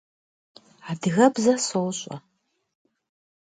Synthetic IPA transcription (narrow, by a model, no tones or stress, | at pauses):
aːdɨɣɐbzɐsowɕʼɐ̰